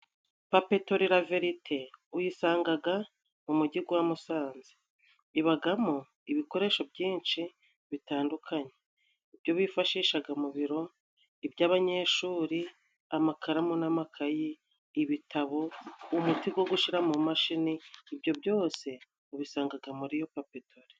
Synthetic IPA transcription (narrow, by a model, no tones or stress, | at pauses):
papetoɾiɾaveɾitʰe̞ujisaːŋɡaɡa | mumuɟiɡwamusaːnzi | iβaɡamo | iβiko̞ɾe̞ːʃo̞bɟiːnʃi | βitaːndukʰaɲe̞ | ibjo̞βifaʃiːʃaɡamuβiɾo̞ | ibjaːβaɲe̞ːʃuːɾi | amakʰaɾamonamakʰajiː | βitʰaβo̞umutiɡwo̞ɡuʃiɾamumaʃiniːbɟo̞bjo̞ːse̞ | uβisaːŋɡaɡamuɾijo̞papitoɾe